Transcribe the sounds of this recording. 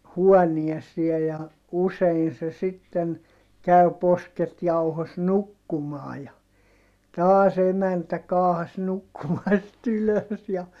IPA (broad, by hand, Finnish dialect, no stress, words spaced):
huɔniesiej jɑ usein se sitːen kæy̞ posket jɑuhos nukːumɑː jɑ tɑːs emæntæ kɑːhɑs nukːumɑst yløs jɑ